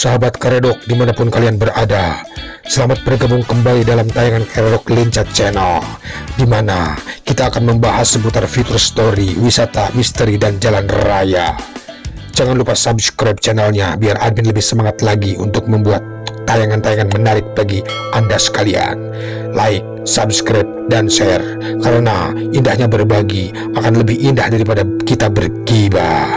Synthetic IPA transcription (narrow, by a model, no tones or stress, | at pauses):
saɦabat̪̚kaɾedɔk̚dimanapʊnkalianbəradasəlamat̪̚pənəɡamʊŋkəmbalidalamt̪ajaŋankaɾedɔkliɲt͡ʃat̪̚t͡ʃɛnaldimanakit̪aːkanməmbaɦasːəput̪arfit̪urst̪oɾiwisat̪amist̪əɾidand͡ʒalanraja̰ | d͡ʒaŋanlupasabskɾɛp̚t͡ʃɛnalɲabiarʔad̚mɪnləbɪhsəmaŋat̪laɡiʔunt̪ʊk̚məmbuat̪ːajaŋant̪ajaŋanmənaɾɪk̚baɡi | ʔandasə̥kalia̰n | laɪk̚sabskɾɛp̚dansɛr | kaɾənaindahɲabərbaɡi | akanləbɪhindahdaɾipadakit̪abərkiba